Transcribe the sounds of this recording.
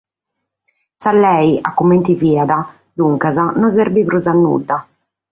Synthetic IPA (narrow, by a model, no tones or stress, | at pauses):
salːɛjʔa̰kːument̪iviːad̪a | luŋkazanɔzeɾbipɾuzanːṵd̪ːa